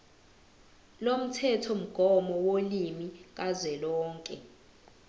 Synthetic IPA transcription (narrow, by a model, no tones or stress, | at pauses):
lom̩tʰɛtʰɔm̩ɡ̥ʱɔmɔwolimik̬ʼazwɛlɔːŋkʼɛ